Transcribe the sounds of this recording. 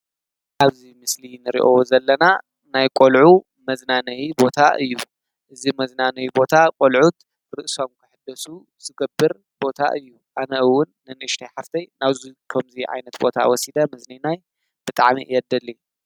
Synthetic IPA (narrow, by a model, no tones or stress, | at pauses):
ʔaβzimɨslinɨɾḭʔozɐlːɐna | najkʼolʕu | mɐznanɐjibo̞t̪ʰaʔɨjːu | ʔɨzimɐznanɐjibo̞t̪ʰakʷʼolʕut̪ | ɾɨʔso̞mkʰɨħɨd̪ːɐsu | z̥ɨɡɐbːɨɾ | b̥o̞t̪ʰa̰ʔɨjːuʔanɐʔɨwːʊnːɨnɨɨʃt̪ʰajħaft̪ʰɐjnaβzikʰɐmziʕa̰jnɐt̪bo̞̰t̪ʰa̰wɔsid̪ɐmɐzninaj | b̥ɨt̪ʼaʕmḭʔjɛd̪ɐlːi